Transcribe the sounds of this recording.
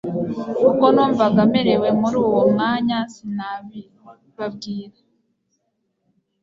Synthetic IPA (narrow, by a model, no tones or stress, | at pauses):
kukonuːɱvaɡameɾewemuɾuːwomŋaːɲansinaβi | βab̚ɡiːɾa